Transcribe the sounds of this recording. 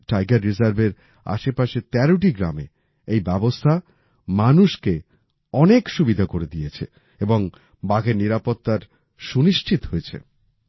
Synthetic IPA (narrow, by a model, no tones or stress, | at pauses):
ʈajɡaɾːizaɾbeɾ | a̰ʃepaʃet̪ɛɾoʈ̬iɡɾa̰me | ejbɛbost̪ʰa | manuʃke | ɔnekʃubid̪ʱakoɾed̪ijet͡ɕʰḛ | eboŋ | baɡeniɾapot̪ːaɾ | ʃuniʃt͡ɕʰit̪ɦojet͡ɕʰḛ